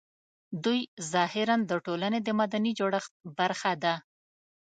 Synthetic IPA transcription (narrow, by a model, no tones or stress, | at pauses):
d̪ujzɑhɪɾand̪əʈolaned̪əmad̪anid͡ʒoɽəxt̪̚baɾxad̪a